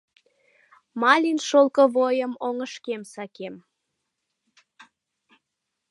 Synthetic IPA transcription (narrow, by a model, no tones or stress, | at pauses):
mɑlʲinʃolˠkə̆βojəmoŋəʃkemsɑkem